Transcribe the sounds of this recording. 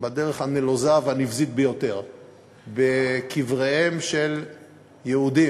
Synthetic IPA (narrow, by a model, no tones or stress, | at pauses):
badeʁeχhanelozavanifzit̪̚bejo̞t̪e̞ʁ | bekivʁehemʃe̞l | jeudi